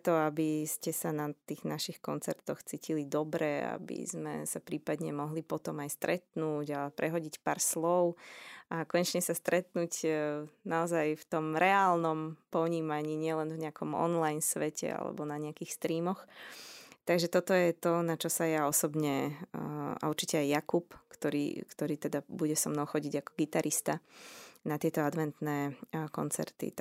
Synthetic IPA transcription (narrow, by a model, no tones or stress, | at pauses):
t̪ɔabiscɛsanat̪iːɣnaʃixkɔnt͡sɛɾt̪ɔxt͡siːcilid̪ɔbɾɛa̰bḭzmɛ̰sapɾiːpad̪ɲɛmɔɦlipɔt̪ɔmajst̪ɾʔɛt̪nuːɟapɾʔɛɦɔɟicpa̰ːɾslɔʊʔakɔɲɛt͡ʃɲɛsast̪ɾɛt̪nuːcnaɔzajft̪ɔmɾɛaːlnɔmpɔɲiːmaɲiːɲɪɛlɛnvɲɛakʰɔmɔ̰nlajnsʋɛcʰɛ̰a̰lɛ̰bɔnaɲɛakixst̪ɾiːmɔx | t̪aɡʒɛt̪ɔt̪ɔjɛt̪ɔnat͡ʃɔsajaɔsɔbɲɛ | a̰uɾt͡ʃicɛajːakupkt̪ɔɾḭːkt̪ɔɾiːt̪ɛd̪abuɟɛsɔmnɔʊxɔɟiɟakɔ̥ɡit̪aɾʔist̪anat̪ɪɛt̪ɔad̪ʋɛnt̪nɛːkɔ̰nt͡sɛ̰ɾt̪ḭ